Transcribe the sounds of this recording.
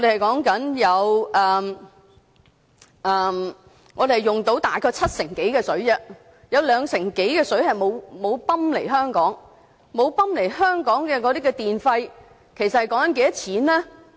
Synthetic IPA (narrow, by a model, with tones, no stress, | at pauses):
ŋɔ˨˧de˨hɐ˨˩jkɔː˨˥ŋkɐ˨˥njɐ˨˧wʔɛː˨m | ɛː˨m | ŋɔː˨˧e˨˩hɐ˨˩jʊ˨˩ŋt̪o˨˥wt̪aː˨jkʰɔː˧t͡sʰɐ˥t̚sɪ˨˩ŋke˨˥jkɛː˧sɵ˨˥ɥd͡ʒɐ˧ | jɐ˨˧wlœː˨˧ŋsɪ˨˩ŋke˨˥jkɛː˧sɵ˨˥ɥhɐ˨jmo˨˧wmo˨˧wpɐ˥mle˨˩jɦœː˥ŋkɔː˨˥ŋ | mo˨˧wpɐ˥mle˨˩jɦœː˥ŋkɔː˨˥ŋkɛː˧kɔː˨˧ɾiː˥kɛː˧t̪iː˨nfɐ˧j | kʰe˨˩sɐ˨t̚hɐ˨jkɔː˨˥ŋkɐ˨nke˨˧jɐ˥t̚t͡sʰiː˨˥nlɛː˥